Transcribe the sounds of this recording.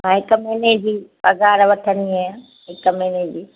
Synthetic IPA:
mãɦɪkmeːned͡ʑiːpɐɡaːɾʋɐt̪ʰəniã | ɦɪkmeːned͡ʑiː

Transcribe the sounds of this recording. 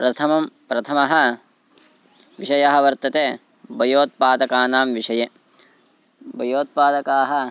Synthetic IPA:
pɾɐt̪ʰɐmɐmpɾɐt̪ʰɐmɐɦɐ̆ | ʋiʃɐjɐɦɐ̆ʋɐɾt̪ɐt̪eː | bɐjoːt̪̚paːd̪ɐkaːnaːmʋiʃɐje | bɐjoːt̪̚paːd̪ɐkaːɦɐ̆

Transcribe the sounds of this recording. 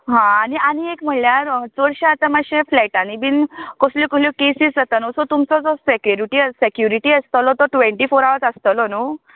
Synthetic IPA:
ɦãːnianiekm̤əljaɾt͡sɔɽɕãat̪amaɕẽflaʈañibinkoslɔkɔsljɔkesisd͡zat̪anɔsɔt̪umt͡sɔd͡zɔsekjuɾiʈisekjuɾiʈiəst̪əlɔt̪ɔʈʋeɳʈifoɾaʋət͡sast̪əlɔnu

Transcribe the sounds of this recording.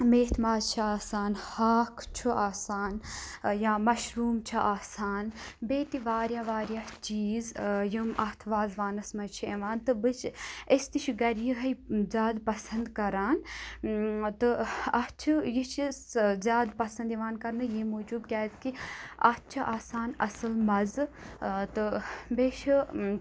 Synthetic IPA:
meːt̪maːzt͡ʃʰiaːsaːnhaːkʰt͡ʃʰuaːsaːnjaːmɐʃɾuːmt͡ʃʰaʔaːsaːnbeːt̪iʋaːɾjaːʋaːɾjaːt͡ʃiːzjumʔɐt̪ʰʋaːzʋaːnɐsmɐt͡ʃʰieʋaːnt̪ɨbɨt͡ʃest̪iʃʰiɡɐɾjiɦɐjzʲaːd̪pɐsɐnd̪kɐɾaːn | t̪ɨɐt͡ʃʰijit͡ʃʰizʲjaːd̪pɐsɐ̃nd̪iʋaːnkɐɾnɨjimoːd͡ʒuːb̪̚kʲaːt̪kiɐ̰t̪ʰt͡ʃʰɐʔaːsaːnɐ̰sɨlmɐz | t̪ɨbeːʃ

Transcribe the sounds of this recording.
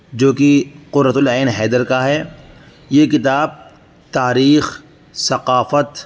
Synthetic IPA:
d͡ʒoːkiqʊd̪ɾət̪ʊlɛːnɦɛːd̪əɾkaɦɛː | jeːkɪt̪aːb̚ | t̪aːɾiːx | sɐqaːfət̪

